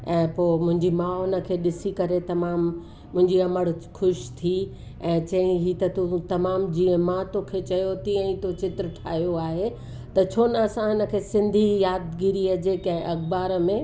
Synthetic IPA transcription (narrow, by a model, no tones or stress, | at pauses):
ɛ̃ːpoːmʊ̃ɦɪ̃ɲd͡ʑimaːʊnə̆kʰeːɗɪsikɐɾet̪ɐmaːmː | ʊ̃ɦɪ̃ɲd͡ʑiɐməɽxʊʃt̪ʰi | ɛ̃ːt͡ɕɐĩɦiːt̪ɐt̪ut̪ɐmaːmd͡ʑiːə̃mãt̪oːkʰet͡ɕɐjot̪iə̃ĩt̪ot͡ɕɪt̪ɾəʈʰaːɦijoaːɦe | t̪ɐt͡ɕʰoːnəɐsãɦɪnə̆kʰeːsɪ̃nd̪ʱijaːd̪ɡiɾiəd͡ʑeːkãɦɪ̃ʔɐkbaːɾmẽ